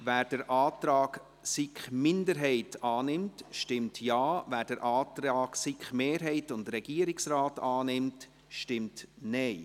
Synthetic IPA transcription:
væːɾd̥əɾʔaːtɾɑːɡ | sɪkχmɪndəɾɦɛɪtʰɑːnɪmtʃtɪmtjɑːvæːɾd̥əɾʔɑːtɾaːɡ̥sɪkχmeːɾɦɛɪtʊndɾɛɡ̥iəɾɪksɾaːtɑːnɪmt | ʃtɪmtnɛɪ

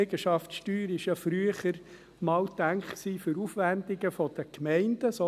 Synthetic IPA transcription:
ɛɡəʃɑftʃtyːɾɪʃjɑfɾyəχəɾ | mɑːwt̪æŋkχksiːfʏɾufʋændɪɡəfɔd̥əkmɛɪnd̥əso

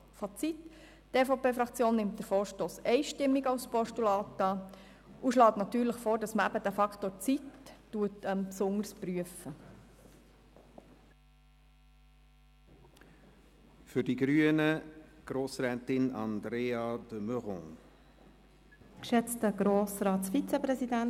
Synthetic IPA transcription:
fɑt͡sit | teːfopeːfɾɑkt͡sjoːnːɪmt̚d̥əɾfoːɾʃtoːsɛɪʃtɪmːiɡɑwspɔʃtulɑːtɑː | uʃlɑːtnɑtyːɾləχfoːɾd̥ɑsməæbədæfɑkʰtoːɾt͡sitːuətəmpsʊŋəɾspryəfə | fʏɾdiɡɾyənəɡ̥ɾoːsɾɛːtɪnɑ̰nd̪ɾeːɑd̥əmøʁɔ̰̃ | kʃɛt͡stəɡ̥ɾoːsrɑːtsfit͡sɛpɾɛzidæn

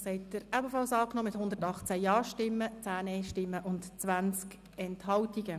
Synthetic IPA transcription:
sɛɪtdəɾæbəfɑlsɑːknoːmɪthʊnd̪əɾtɑχt͡sæjɑːʃtɪmːət͡sæːnɛʃtɪmːəʔʊntt͡sʋænt͡sk | ɛnthɑwtiɡə

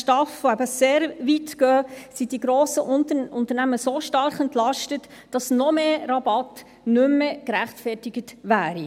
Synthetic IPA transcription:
ʃtɑfvoæbəseːɾvitɡœːsid̥iɡɾoːsəʔʊntəʊntəɾnæməsoʃtɑɾχɛntlɑʃtət | d̥ɑsnɔmeːɾɑbɑt | nʏmːəkɾæχtfɛtɪɡətʋæːɾi

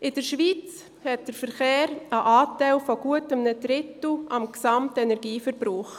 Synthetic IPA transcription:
ɪd̥əɾʃʋiːt͡s | hɛt̚d̥əɾfəɾχeːɾəʔaːtæɪlfɔɡ̥uətəmnədɾɪtl̩ʔɑmksɑmtɛnɛɾɡiːfəɾbɾɔːχ

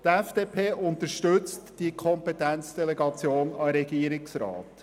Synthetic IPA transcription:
t̪ɛfd̥eːpʰeːʔʊnt̪əɾʃtɵt͡std̥iəkʰɔmpɛtænt͡sd̥ɛlɛɡɑt͡sjoːnɑɾɛɡiəɾɪksɾɑ̰ːt

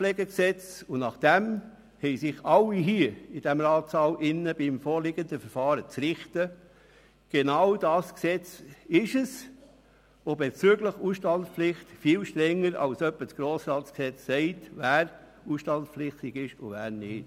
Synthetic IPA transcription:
lɛːɡeksɛt͡sʊnɑχd̥ɛm | hɛɪsɪχɑlːiɦiɪd̥ɛmɾɑːt͡sɑːlʔɪnəbimfoːɾlɪɡəndəfəɾfɑːɾət͡sɾɪχtə | ɡ̥enɑwd̥ɑːsksɛt͡sɪʃəs | obɛt͡syːəɡləχusʃtɑnsplɪχtfiːlʃtɾɛŋːəɾɑ̰lsœpːəsɡ̥ɾoːsɾɑːtsksɛt͡sːɛɪtvæːɾ | usʃtɑntpflɪχt̪ɪɡɪʃʊvæːɾnɪːt

